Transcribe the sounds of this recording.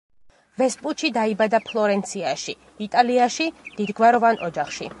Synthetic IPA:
vɛspʼut̪ʃid̪aibad̪apʰlˠɔɾɛnt̪sʰiaʃi | it̪ʼaliaʃid̪̥id̪ɡvaɾɔvanʔɔd͡ʒaχʃḭ

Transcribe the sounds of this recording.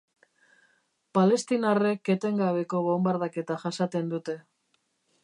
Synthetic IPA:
pale̞st̪inare̞kːet̪e̞ŋɡaβe̞ko̞βombaɾðake̞t̪aʝasat̪e̞nd̪ut̪e̞

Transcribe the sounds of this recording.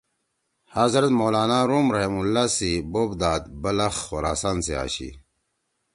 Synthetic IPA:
haːzɾɐt̪moːlaːnaɾoːmɾɐɦimulːaːsiboːbd̪aːd̪bɐlɐxːoɾaːsaːnsea̰ːɕḭ

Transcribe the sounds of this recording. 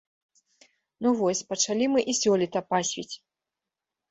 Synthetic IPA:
nuvɔsʲpɐt͡ʂalʲimɨʔisʲɔlʲit̪ɐpasʲvʲit͡sʲ

